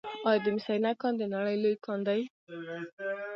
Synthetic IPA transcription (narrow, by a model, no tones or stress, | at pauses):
ɑjd̪emisajnakɑ̃nd̪enaɽəjlojkʰɑnd̪aj